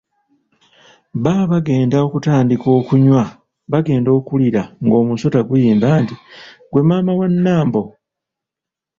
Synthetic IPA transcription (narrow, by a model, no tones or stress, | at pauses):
βaːβaɡe̞ːndaokutaːndiko̞ːkuɲwa | βaɡe̞ːndo̞ːkuliɾaŋɡo̞ːmuso̞taɡujiːmbaːntiɡwe̞maːmawanːaːmbo̞